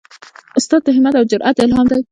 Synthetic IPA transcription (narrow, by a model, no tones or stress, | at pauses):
ʔʊst̪ɑːd̪̚t̪aɦɪmad̪awd͡ʒʊɾʔat̪ɪlɦɑːmd̪aj